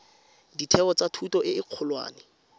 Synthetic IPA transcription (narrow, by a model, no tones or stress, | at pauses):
ditʰɛɔt͡satʰutɔʔɪɪq͡χʰʊlwa̰ːnɪ